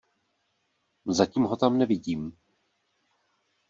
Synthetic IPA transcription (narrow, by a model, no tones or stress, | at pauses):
zaciːmɦo̞t̪amnɛvɪɟiːm